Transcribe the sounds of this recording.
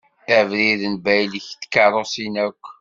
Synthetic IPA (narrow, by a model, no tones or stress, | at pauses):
əʕvɾiðənbæjliçtːkːəɾˤosinækʷː